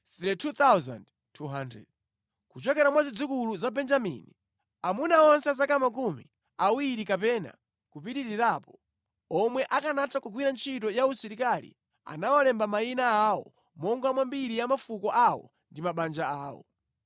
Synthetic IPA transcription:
θɾitʰut̪awza̰nd | tʰuɦandɾɛ̰d̚ | kut͡ʃɔkɛɾamwazid͡zikuluzabɛnd͡ʒamḭni | amunaɔnsɛas̬akamak̬umḭ | awiɾikapɛna̰ | kupiɾiɾiɾaːpɔ | ɔmwɛʔakanatakuɡwiɾant͡ʃʰit̬ɔjausiɾikalḭ | a̰nawalɛmbamainaawɔ̰ | mɔŋɡamwambiɾijamafukɔʔawɔ̰ | ndimaɓand͡ʒaaːwɔ̰

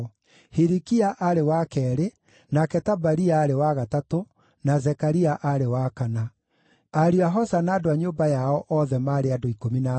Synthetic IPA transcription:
hiɾikiaʔaɾewakɛɾe | nakɛtabaɾiaːɾewaɣatato | nazɛkaɾiaʔaɾewakana | aɾiaɦɔsanaːdoaɲoːmbajaɔʔɔðɛmaːɾeadoikomina

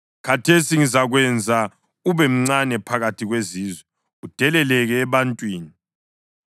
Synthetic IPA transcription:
kʰatʰesiŋizaɣwɛnd͡zʱa | uβɛm̩ŋ͡ǀanɛpʰaɣatʰiɣweziːzwɛ | ud̥ʱɛlɛlɛɣɛːβantʼwiːni

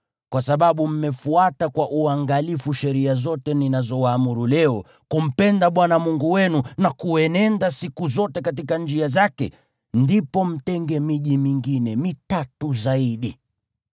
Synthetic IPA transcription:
kwasaɓaɓum̩mɛfuatakwaʔuaŋɡalifuʃɛɾiazɔtɛninazɔwaːmuɾulɛɔ | kum̩pɛndaɓwanamuŋɡuwɛnunakuɛnɛndasikuzɔtɛkat̬ikand͡ʒiazakɛ̰ | ndipɔm̩tɛŋɡɛmiʄimiŋɡinɛmitatuzaiɗi

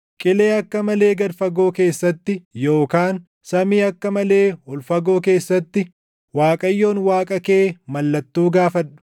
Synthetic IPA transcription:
kʼɪle̞ːɐkːɐmɐle̞ːɡɐɾfɐɡo̞ːke̞ːsːɐt̪ːɪjo̞ːkaːn | sɐmiːɐkːɐmɐle̞ːhʊlfɐɡo̞ːke̞ːsːɐt̪ːɪ | waːkʼɐjːo̞ːnwaːkʼɐke̞ːmɐlːɐt̪ːuːɡaːfɐᶑʊ̥

